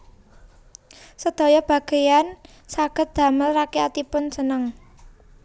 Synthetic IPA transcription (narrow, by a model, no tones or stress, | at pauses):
səd̪̥o̤jɔb̥a̤ɡ̥e̤jan | saɡ̥ət̪̚d̪̥a̤məlrakeat̪ipʊnsənəŋ